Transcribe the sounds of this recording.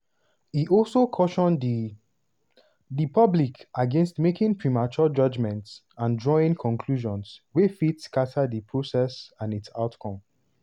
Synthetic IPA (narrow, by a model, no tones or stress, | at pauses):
iʔɔlsokʰɔʃɔ̃n | dipʰʌblikaɡẽnstmekɪ̃ŋpʰɹimat͡ʃəd͡ʒʌd͡ʒmɛ̃nts | ãndɹɔĩŋkʰɔ̃nkʰluʒɔ̃nswefitskatʰadipʰɹosɛsãnitsaʊtkʰɔ̃m